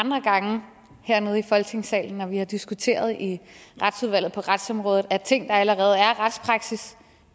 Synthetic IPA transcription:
ɑnd̥ʁɐɡ̥ɑ̈ŋə | heɐ̰ne̝ð̞̩ˠifɒ̽lɡ̥t͡sʰe̝ŋsɛ̰ːln̩ːɒʋihɑ̈d̥isɡ̥ut͡sʰe̝̰ːɐð̞ˠiʁɑd̥suð̞ˠʋæl̰ð̩ˠpʰɒ̽ʁɑd̥sɒ̽mʁɔ̽ːð̩ˠæɐt͡sʰe̝ŋ̰d̥ɑ̈æləʁɛːð̞̩ˠæɐʁɑd̥spʰʁɑ̈ɡ̥sis

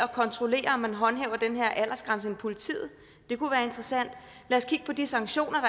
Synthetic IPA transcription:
ɒ̽kʰɒ̽nt͡sʰʁo̝le̝̰ːɐɒmːænɦɒ̽nɦɛ̰ːʊɐd̥enɦeɐ̰ʔæl̰ɐsɡ̥ʁäns̬əenpʰo̝lit͡sʰḭːð̩ˠ | d̥e̝kuʋæːɐe̝nd̥ʁɐsæn̰d̥ | læːɐskʰiɡ̥̚pʰɒ̽d̥isɑ̈ŋɡ̥ɕo̝̰ːnɐd̥ɑ

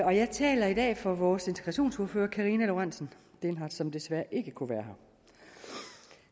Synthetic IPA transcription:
ɒ̽jɑ̈ɪt͡sʰɛ̰ːlɐid̥ɛ̰ːfɒ̽ʋɒːse̝nt͡sʰeɡ̥ʁɑ̈ɕo̝̰ːnsuɐføːɐkʰɑ̈ʁiːnælo̝ʁan̰sn̩ | d̥enɦɑ̈sɒ̽md̥e̝sʋæɐʔe̝ɡ̥əkʰuʋæːɐɦɑ̈

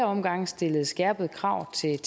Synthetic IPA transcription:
ɐɒ̽mɡ̥ɑ̈ŋ̰sd̥e̝ləð̞̩ˠsɡ̥ɛɐb̥ð̞̩ˠkʰʁɑ̈ʊ̰t͡sʰe̝t͡sʰ

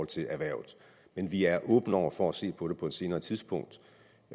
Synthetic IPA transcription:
ɒ̽l̰t͡sʰe̝lʔæʋæɐ̰ʊð̩ˠ | menʋiæɐʔɔ̽ːb̥n̩ɒ̰ʊ̰ɐfɒæse̝̰ːpʰɒ̽ɾ̥e̝pʰɒ̽e̝d̥se̝ːnɐːt͡sʰiðˠsb̥ɔ̽ŋ̰d̥

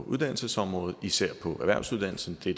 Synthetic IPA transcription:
ʔuðˠd̥æn̰l̩səsɒ̽mʁɔ̽ːð̩ˠisæɐ̰pʰɒ̽ʔæɐʋæɐsuðˠd̥ænl̩sn̩d̥ed̥

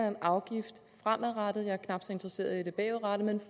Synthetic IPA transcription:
enʔɑ̈ʊɡ̥ifd̥fʁam̰æðˠʁɑd̥ð̩ˠjɑ̈ɪɐkʰnɑ̈b̥sɒ̽e̝nd̥ʁɐse̝̰ːɐðˠid̥e̝b̥ɛ̰ːʊʁɑɾ̥əmenf

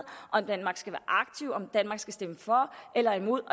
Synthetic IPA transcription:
ʔɒ̽md̥ænmɑ̈ːɡ̥sɡ̥æʋæːɐʔɑ̈ɡ̥̚t͡sʰiʊɒ̽md̥ænmɑ̈ɡ̥sɡ̥æsd̥eməfɒ̽ʔelɐimo̝ð̞̰ˠɒ̽

